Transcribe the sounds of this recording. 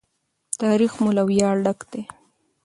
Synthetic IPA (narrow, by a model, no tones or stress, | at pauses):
t̪ɑɾixmolawjɑɽɖakd̪̥e